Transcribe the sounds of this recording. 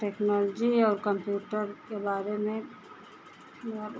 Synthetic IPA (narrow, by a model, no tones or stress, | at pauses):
ʈeːknɔːld͡ʒiɔːɾkə̃mpjuːʈəɾkebaːɾemẽ